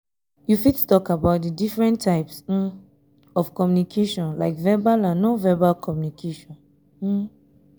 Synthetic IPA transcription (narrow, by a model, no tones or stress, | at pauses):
jufidtu̥tɔkabaʊt̚dədifɹɛ̃ntʰːaɪps̩ | ɔfkɔmjunikʰeʃɔ̃nlaɪkvɛbalãnːovɛbalkʰɔmjunikʰeʃɔ̃n̩